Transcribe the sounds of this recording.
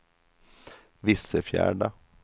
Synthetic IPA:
ʋɪsəfjæ̰ːɖa

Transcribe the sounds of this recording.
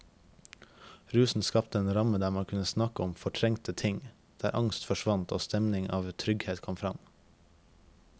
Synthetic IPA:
ɾʉːsn̩skɑpt̪əeːnɾɑməd̪æːmɑŋkʰʉnəsnɑkəɔmfɔʈʰɾɛŋt̪ət̪ʰɪŋ | d̪̥æːɾʔɑŋst̪fɔʃʋɑnt̪o̰ːst̪ɛmnɪŋɑ̰ːʋt̪ʰɾʏɡheːt̪kʰɔmfɾɑm

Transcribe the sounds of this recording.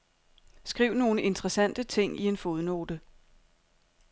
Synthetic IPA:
sɡ̥ʁiːʊ̰no̝ːnəʔe̝nt͡sʰʁɐsæn̰d̥ət͡sʰe̝ŋ̰ie̝nfoðˠno̝̰ːd̥ə

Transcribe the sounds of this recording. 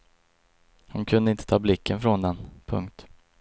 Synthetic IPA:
hʊnkʰɵnd̪əɪnt̪ə̥t̪ʰɑːblɪkʰːənfɾɔnd̪ɛnpʰɵ̰ŋk̚t̪

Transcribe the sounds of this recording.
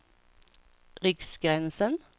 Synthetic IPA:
ʁʏksɡ̥ʁænsən

